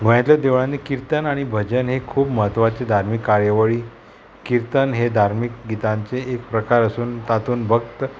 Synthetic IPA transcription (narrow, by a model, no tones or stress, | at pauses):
ɡʱəɽ̃jat̪ləd̪eʋɳãnikiɾt̪ənaɽ̃ibʱəd͡ʑənɦekʰuːpməɦət̪ʋat͡sed̪ʱaɾmikːaɾjəʋəɭiː | kiɾt̪ənɦed̪ʱaɾmik̚ɡit̪ãɲt͡seːk̚pɾəkaɾəsuːnt̪at̪uːnbʱəkt̪ə